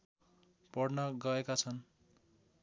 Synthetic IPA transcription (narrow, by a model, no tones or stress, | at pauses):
pʌɽnʌɡʌekat͡sʰʌn